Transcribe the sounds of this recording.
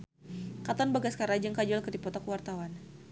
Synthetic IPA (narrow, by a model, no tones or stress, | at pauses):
kat̪ɔnbaɡaskaɾad͡ʒəŋkad͡ʒɔlkərdipɔt̪ɔkuwart̪awan